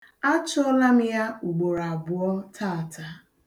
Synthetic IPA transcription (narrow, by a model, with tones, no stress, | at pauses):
a˦t͡ʃʊ˦ɔ˦la˦m̩˦ja˦u˨ɡ͡bo˨ɾa˨bʊ˨ɔ˦tʰa˦˨tʰa˨